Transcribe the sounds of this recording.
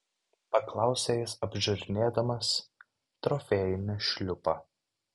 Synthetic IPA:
pɐklˠɑˑʊsʲejɪsɐbʲʒʲʊɾʲnʲeːd̪ɐmɐs | t̪ɾɔfʲɛːjɪnʲɪʃʲlʲʊpɐ

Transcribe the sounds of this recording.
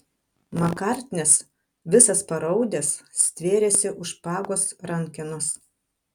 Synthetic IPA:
mɐkɑˑɾʲt̪ʲnʲɛs | ʋʲɪsɐspɐɾɒʊd̪ʲɛsːt̪ʲʋʲeːɾʲeːsʲɪʔʊʃpɑːɡoːsɾɐŋʲkʲɪnʊs

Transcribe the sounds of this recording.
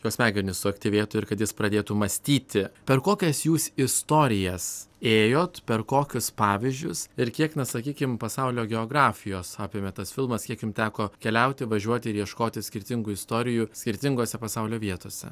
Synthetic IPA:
joːsmʲæːɡʲɛɾʲɪnʲʊsʊɐkt̪ʲɪʋʲeːt̪ʊɪɾkɐt̪jɪspɾɐd̪ʲeːt̪umɐsʲt̪ʲiːt̪ʲɪpʲɛɾkoːkʲɛsjuːsɪst̪oːɾʲɪjɛseːjoːt̪pʲɛrkoːkʲʊspɑːʋʲɪzʲd͡ʒʲʊsɪɾkʲiɛknʲɛsɐkʲiːkʲɪmpɐsɐʊlʲoːɡʲɛoːɡɾɑːfʲɪjoːsɑːpʲɪmʲɛt̪ɐsfʲɪlˠmɐskʲiɛkjʊmt̪ʲæːkoːkʲɛlʲɛʊt̪ʲɪʋɐʒʲuɔt̪ʲɪɪɾjiɛʃkoːt̪ʲɪsʲkʲɪɾʲt̪ʲɪŋɡʊɪst̪oːɾʲɪjusʲkʲɪɾʲt̪ʲɪŋɡoːsʲɛpɐsɐʊlʲoːʋʲiɛt̪oːsʲɛ̰

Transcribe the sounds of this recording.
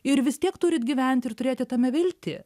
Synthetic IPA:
ɪɾʋʲɪsʲt̪ʲiɛkt̪ʊɾʲɪt̪ɡʲiʋʲɛnʲt̪ʲɪrt̪ʊɾʲeːt̪ʲɪt̪ɐmʲɛʋʲɪlʲt̪ʲɪ

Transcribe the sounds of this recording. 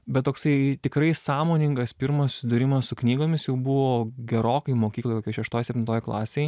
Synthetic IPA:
bʲɛt̪̚t̪oːksɐɪt̪ʲɪkɾɐɪsɑːmoːnʲɪŋɡɐspʲɪɾmɐssʊ̥sʲɪd̪ʊɾʲɪmɐssʊknʲiːɡoːmʲɪsjɛʊbʊʋoːɡʲɛɾoːkɐɪmoːkʲiːklˠoːjt̪okʲiɛʃʲɛʃt̪oːjsʲɛp̚ʲt̪ʲɪnt̪oːjɪklˠɑ̰ːsʲeːɪ

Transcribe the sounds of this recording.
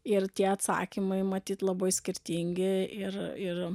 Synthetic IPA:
ɪrt̪ʲiɛɐt̪sɑ̰ːkʲimɐɪmɐt̪ʲiːt̪lˠɐbɐɪsʲkʲɪɾʲt̪ʲiːŋʲɡʲɪɪrɪr

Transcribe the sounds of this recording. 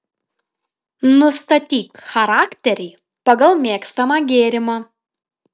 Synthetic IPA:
nʊst̪ɐt̪ʲiːkxɐɾɑːkʲt̪ʲɛɾʲɛɪ | pɐɡɐlˠmʲeːkst̪ɐmɑːɡʲeːɾʲɪmɑː

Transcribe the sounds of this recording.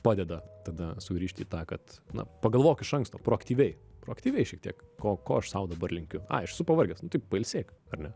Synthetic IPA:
pɑːd̪ʲɛd̪ɐt̪ɐd̪ɐsʊɡʲɾʲiːʃʲt̪ʲḭːt̪ɑːkɐt̪nɐ̰pɐɡɐlˠʋoːkɪʃɐŋkst̪oːpɾoːɐkt̪ʲiːʋʲɛɪ | pɾoːɐkt̪ʲiːʋʲɛɪʃʲɛk̚t̪iɛkkoːko̰ːɐʃsɐʊd̪ɐbɐrlʲɪŋʲkʲʊɑ̰ːɐʃɛsʊpɐʋɐrʲɡʲɛsnʊt̪ɐɪppɐɪlʲsʲeːkɐrnʲɛ

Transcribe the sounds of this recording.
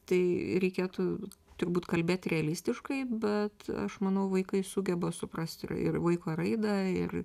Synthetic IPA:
t̪ɐɪɾʲɛɪkʲeːt̪ut̪ʊrbuːt̪kɐlʲbʲeːt̪ɾʲɛɐlʲiːsʲt̪ʲɪʃkɐɪbʲɛt̪ɐ̰ʃmɐnɐʊʋɐɪkɐɪsuːɡʲɛbɐsʊprɐsʲt̪ɪ̰ɪ̰rʋɐɪkoːɾɐɪd̪ɐɪ̰r

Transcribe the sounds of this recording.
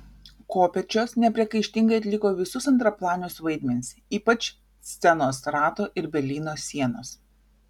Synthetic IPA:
koːpʲɛt͡ʃʲoːsnʲɛpʲɾʲiɛkɐɪʃʲt̪ʲɪŋɡɐɪɐt̪ʲlʲɪkoːʋʲɪsʊsɐnt̪ɾɐplˠɑːnʲʊːsʋɐɪd̪ʲmʲɛnʲɪsʲiːpɐt͡ʃ | sʲt̪sʲɛnoːsɾɑːt̪oːʔɪɾbʲɛɾʲlʲiːnoːsʲiɛnoːs

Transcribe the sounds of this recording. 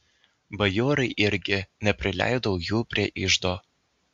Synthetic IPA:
bɐjoːɾɐɪʔɪɾʲɡʲɪnʲɛpʲɾʲɪlʲæ̰ˑɪd̪ɔʊjuːpʲɾʲiɛʔɪʒd̪oː

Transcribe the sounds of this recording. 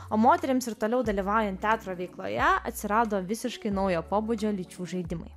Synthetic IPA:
oːmoːt̪ʲɛɾʲɪmsɪɾt̪oːlʲɛʊd̪ɐlʲiːʋɑˑʊjɛnt̪̚t̪ʲæːt̪ɾoːʋʲɛɪklˠo̰ːjɛɐ̰t̪ʲsʲɪɾɑːd̪oːʋʲɪsʲɪʃkɐɪnɐʊjoːpoːbuːd͡ʒʲoːlʲɪt͡ʃʲuːʒɐɪd̪ʲɪmɐ̰ɪ

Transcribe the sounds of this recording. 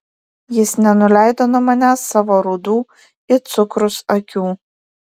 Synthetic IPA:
jɪsnʲɛnʊlʲæˑɪd̪oːnʊmɐnʲæsːɑːʋoɾuːd̪uː | ɪt̪sʊkɾʊsɐkʲuː

